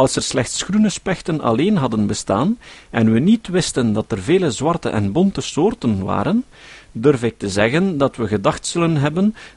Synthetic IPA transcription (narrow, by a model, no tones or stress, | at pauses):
ɑlˠsərslɛxtsxrunəspɛxtənɑ̰leːnɦɑdənbəstaːnɛnʋənitʋɪstəndɑtərveːləzwɑrtə̰ʔɛ̰nbɔntəsoːrtənʋa̰ːɾən | dɵrvɪk̚təzɛɣəndɑtwəɣədɑxtsɵlənɦɛbən